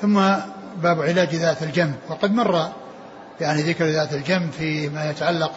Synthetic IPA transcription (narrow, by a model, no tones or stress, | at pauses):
θʊmːa | baːbʕɪlaːd͡ʒðaːt̪ald͡ʒambwɑqɑd̪mɑrˤːɑ | jaʕniðɪkɾðaːt̪ald͡ʒambfimajat̪aʕalːaq